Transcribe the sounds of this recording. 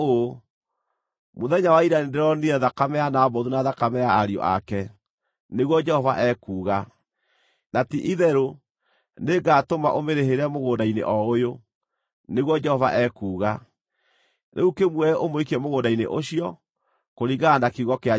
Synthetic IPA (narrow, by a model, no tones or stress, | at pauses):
o | moðɛɲawaiɾanideɾɔniɛðakamɛanaɔbɔðunaðakamɛaːɾiɔ̰ʔa̰kɛ | neɣwɔd͡ʒɛhɔva̰ʔɛkuːɣa | natiʔiðɛɾo | neɡatoma̰ʔomeɾeɦeɾɛmoɣoːndainḛʔɔojo | neɣwɔd͡ʒɛhɔva̰ʔɛkuːɣa | nʔḛukemwɛʔomoikiɛmoɣoːndainḛʔoɕiɔ | koɾiɡaːndakeiɣɔkea